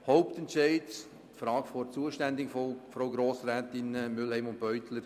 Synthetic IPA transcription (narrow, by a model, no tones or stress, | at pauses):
hɔʊptɛntʃɛɪt | tfɾɑːɡfɔɾt͡suːəʃtændɪɡffɾoʊɡɾoːsɾɛːt̪ɪnəmʏlhɛɪmʊn̚b̥œʏtʰləɾ